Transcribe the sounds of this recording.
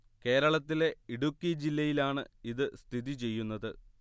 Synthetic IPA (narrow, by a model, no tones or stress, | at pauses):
ke̞ːɾɐɭɐt̪ːile̞iɽukːid͡ʑilːɐjilaːɳɨiðɨst̪ʰiðit͡ɕe̞jːunːɐðɨ